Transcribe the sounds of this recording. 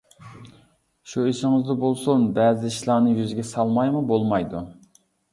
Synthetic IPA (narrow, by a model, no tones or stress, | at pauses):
ʃuiʃɪŋɨzd̪ɑbolˠsonbɛːzɪʃlˠɑnɨjyzɡʲɛsɑlˠmɑjmubolˠmɑjd̪u